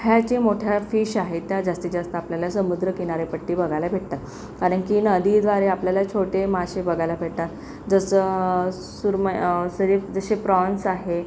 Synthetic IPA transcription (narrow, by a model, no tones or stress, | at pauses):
ɦjat͡ɕimoʈʰjafiːɕaɦet̪jad͡zast̪id͡ʑast̪aːpljalasəmud̪ɾəkinaɾepəʈːiːbəɡʱalabʱeʈ̚t̪at̪ | kaɾəɳkiːnəd̪ʱid̪ʋaɾeapljalat͡ɕʰoʈemaɕebəɡʱajlabʱeʈt̪at̪ | d͡zəsə | suɾməsəɾid͡zəɕepɾɔnsaɦe